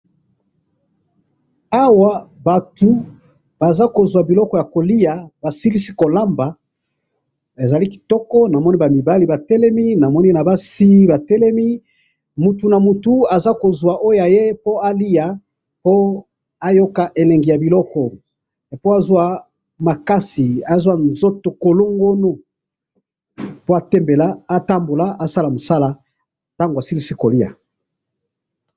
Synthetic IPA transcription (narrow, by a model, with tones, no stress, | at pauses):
a˦wa˨ba˨tu˨ | b̥a˨za˦ko˨zwa˨bi˨lɔ˦kɔ˦ja˨ko˨li˦a˨ba˨si˦li˦si˦ko˨la˦mba˨ | e˨za˨li˦ki̥˨tɔ˦kɔ˦na˨mɔ˦ni˦ba˨mi˨ba˦li˨ba˨tɛ˦lɛ˦mi˦na˨mɔ˦ni˦e˦na˨ba˦si˦ba˨tɛ˦lɛ˦mi˦ | mu˨tu˨na˨mu˨tu˨a˨za˦ko˨zwa˨ʔo˦ja˨je˦po˦a˦li˦a˨ | po˦ | a˦jo˦ka˨ʔe˨lɛ˨ŋɡi˨ja˨bi˨lɔ˦kɔ˨ | po˦a˦zwa˨ | ma˨ka˦si˨a˦zwa˦nzo˦to˨ko˨lo˦ŋɡo˦no˦ | po˦a˦tɛ˦mbe˨la˦a˦ta˦mbo˨la˦ʔa˦˨sa˦la˨mo˨sa˦la˨ | ta˦ŋɡo˨a˨si˦li˦si˦ko˨li˦a̰˨